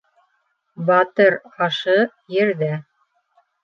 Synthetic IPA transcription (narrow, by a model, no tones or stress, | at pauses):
bɑt̪ɤɾɑʃɤ | jɘ̆ɾðæ